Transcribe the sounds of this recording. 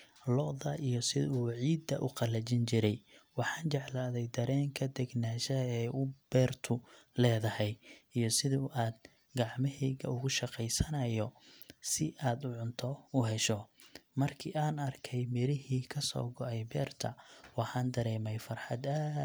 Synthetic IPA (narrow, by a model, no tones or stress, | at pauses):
lɔðɐʔijɔsɪðuːʕiːd̪ːɐʔʊqɑlɐt͡ʃɪnt͡ʃɪɾɛjwɑħɑːnt͡ʃɛʕlaːðɛjd̪ɐɾɛːŋkʰɐd̪ɛɡnaːʃɐɛjʊb̥ɛːrt̪ʰʊlɛːðɐhɛjijɞsɪðuʔaːd̪̚ | ɡɑʕmɪɦɛɣɐ̰ʊɣʊʃɑqɛjsɐnɐjɔsɪʔaːd̪ʊʕʊnt̪ʰɔʊɦɛʃɔmɐrkʰiaːnɐrkʰɛjmɪɾɪɦiːkʰɐsɔ̰ːɡɔʕɛjbɛːrt̪ʰɐwɑħɑːnd̪ɐɾɛːmɛjfɐrħɑd̪ɐ